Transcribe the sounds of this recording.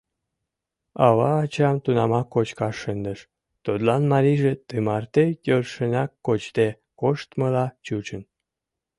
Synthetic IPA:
ɑβɑːt͡ɕɑmt̪unɑmɑkːot͡ɕkɑʃːənd̪əʃ | t̪ot̪lɑnmɑɾʲiʒet̪ɨmɑrt̪ejørʃənɑkːot͡ɕt̪e | koʃt̪məlɑt͡ɕut͡ɕən

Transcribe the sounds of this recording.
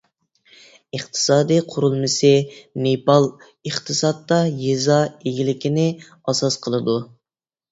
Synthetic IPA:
əχt̪ʰɨ̥sɑːd̪ijqʰʊɾulˠmɨsɪnepɑlˠ | əχt̪ʰɨsɑt̪ːɑjezɑeɡʲilɪkʲʰinɪ | ɑsɑsqʰəlˠɨd̪u

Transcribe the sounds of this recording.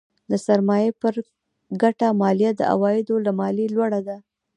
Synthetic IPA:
d̪əsaɾmɑjepəɾ | ɡaʈamɑlijad̪ə̰a̰wɑjɪd̪olamɑlilwaɽad̪a

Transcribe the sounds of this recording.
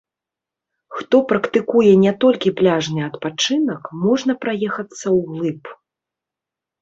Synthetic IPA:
xt̪ɔpɾɐkt̪ɨkujɛnʲɛt̪ɔlʲkʲiplʲaʐnɨɐt̪pat͡ʂɨnɐkmɔʐnɐpɾajɛxɐt̪sːɐwɣlˠɨp

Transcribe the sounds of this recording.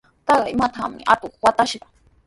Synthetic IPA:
t̪ɑɢɑɪmat̪ʰamɪ̰ʔa̰t̪oχwat̪aʃɢɑ

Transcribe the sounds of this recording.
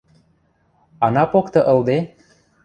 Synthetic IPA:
ɑnɑpokt̪ɤ̆ʔə̆ld̪e

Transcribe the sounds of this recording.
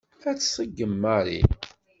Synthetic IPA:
æt͡sːsˤəɡːəmːəɾˤḭ

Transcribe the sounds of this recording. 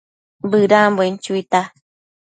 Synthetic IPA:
bɨɾãmbwent͡ʃuit̪a

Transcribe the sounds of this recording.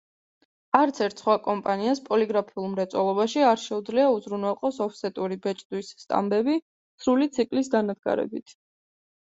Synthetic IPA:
aɾt̪sʰɛɾt̪ʰsχwakʼɔmpʼaniaspʼɔliɡɾapʰiulˠmɾɛt̪sʼwɛlˠɔβaʃiaɾʃɛud̪zliauzɾunwɛlˠqʼɔsɔpʰsɛt̪ʼuɾibɛt͡ʃʼd̪wisːt̪ʼa̰mbɛbi | sɾulit̪sʰikʼlisɡanad̪ɡa̰ɾɛ̰bit̪ʰ

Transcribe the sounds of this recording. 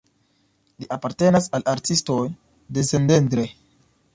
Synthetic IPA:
liʔapaɾte̞nasalʔaɾtisto̞j | de̞sendendɾe

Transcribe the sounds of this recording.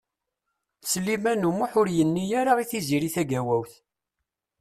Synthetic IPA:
səlːimænumuħʊɾjənːijaɾaʁiθiziɾiθæɡæwæwθ

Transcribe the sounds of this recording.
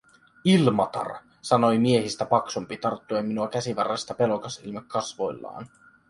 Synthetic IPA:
ilmɑt̪ɑ̰r | sɑno̞jmie̞ɦist̪æpɑksumpit̪ɑrt̪ːuemːinuɑkæsiʋɑrːɑst̪ɑpe̞lo̞kɑsḭlmɑkʰːɑsʋo̞̰jlːɑ̰ːn

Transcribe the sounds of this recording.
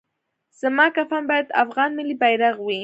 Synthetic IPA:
samakafambat̪a̰fɢɑnmɪlɪpajɾɑχwɪ

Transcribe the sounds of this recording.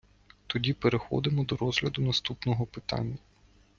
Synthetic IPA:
t̪ɔdʲipeɾexɔ̰d̪ɪmɔd̪ɔɾɔzɦlʲɐd̪ʊnɐst̪upnɔɦɔpɪt̪ɑ̰nʲːɐ

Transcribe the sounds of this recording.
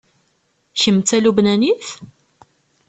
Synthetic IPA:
çəmt͡s̪ːælubnæniθ

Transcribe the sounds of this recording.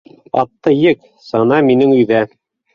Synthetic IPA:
ɑ̰t̪ːɤjɘk | sɑnɑminɘŋʉ̆jðæ

